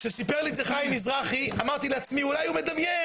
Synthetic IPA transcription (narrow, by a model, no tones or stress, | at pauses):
ʃesipeʁlizeχajimizʁaχiamaʁt̪ileat͡smiulajumed̪amje